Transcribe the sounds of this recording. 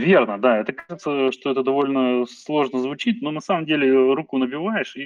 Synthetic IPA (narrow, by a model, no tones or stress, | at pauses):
vʲe̞rnəd̪aɛt̪əkaʐɨt̪səʂt̪oɛt̪əd̪ɐvo̞lʲnəslˠo̞ʐnəzvʊt͡ɕit̚ʲnonɐsaməmdʲelʲɪɾukʊnəbʲɪvajɪʂi